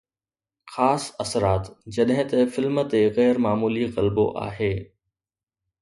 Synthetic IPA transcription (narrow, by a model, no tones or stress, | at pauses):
xaːsɐsɾaːt̪d͡ʑɐɗɦɪ̃t̪ɐfɪlmt̪eɣɛːɾmaːmuːliɣɐlbo̰ʔa̰ːɦeː